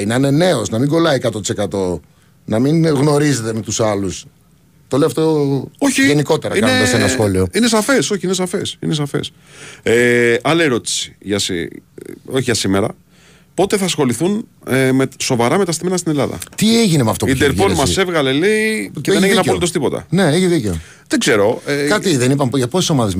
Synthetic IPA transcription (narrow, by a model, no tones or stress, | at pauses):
inɐinene̞osnɐmiŋɡo̞lɐikɐt̪ot̪i̥se̞kɐt̪o̞ | nɐminɣno̞ɾize̞t̪e̞me̞t̪usɐlus | t̪o̞leoɐft̪oooçiʝe̞niko̞t̪e̞ɾɐkiɐneɐsenɐsxo̞lioinesɐfe̞so̞çiinesɐfe̞sḭnes̬ɐfḛs | eɐleɾo̞t̪i̥si̥ʝɐsḭ | o̞çiʝɐsime̞ɾɐ̰ | po̞t̪e̞θɐːsxo̞liθunmeso̞vɐɾɐme̞t̪ɐst̪ime̞nɐst̪ine̞lɐðɐ̰t̪ieʝinemeɐft̪oid̪eɾpolmɐse̞vɣɐleliceðneʝineɐolit̪ost̪ipo̞t̪ɐ̰neeçiðice̞o | ðeɡze̞ɾo̞ekɐt̪iðenipɐmpʝɐposi̥so̞mɐðez